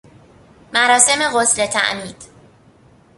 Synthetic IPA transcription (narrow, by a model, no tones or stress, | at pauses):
mæɾɒːse̞meɣosle̞t̪ʰæ̰ʔmiːd̪̥